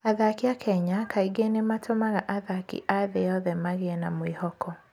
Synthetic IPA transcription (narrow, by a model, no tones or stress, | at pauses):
aðakiakʰɛɲakʰaiɡenematʰomaɣaʔaðakḭʔaðejɔðɛmaɣeɛnamwihɔkʰɔ